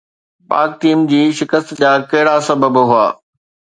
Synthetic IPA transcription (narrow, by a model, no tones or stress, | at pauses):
pa̰ːk̚t̪iːmd͡ʑiːʃɪkəst̪d͡ʑaːkɐɦɪɽasɐbəbɦʊaː